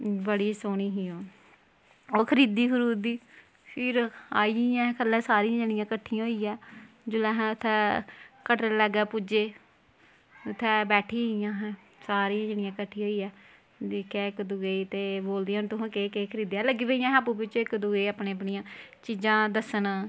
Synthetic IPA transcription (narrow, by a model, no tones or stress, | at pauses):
bəɽiːsoːɽ̃iːɦiːoː | oːkʰəɾiːd̪iːkʊɾuːd̪iː | pʰɪɾa̰ːiːãːɛ̃kəlːɛ̃ːsaːɾijãːd͡ʒeːɽɪjãːkəʈʰːijãɦoːiːɛː | d͡ʒʊlɛ̃ːɦɛ̃ːʊt̪ʰːɛːkəʈlɛːɡɛːpud͡ʒeː | ʊt̪ʰːɛːbɛːʈʰiːijãːɦɛ̃ː | saːɾiːãːd͡ʒeːɽɪjãːkəʈʰːiːɦoːiːɛː | kɛːɪkd̪ʊɡeit̪eːboːld̪eːaːnt̪ʊɦãːkeːkeːkʰəɾiːd̪eːɛ̃ːləɡiːbəijãːɦaːpũːbɪt͡ʃoːɪkd̪ʊɡeːaːpneːəpɳijãːt͡ʃiːd͡ʒãːd̪əsən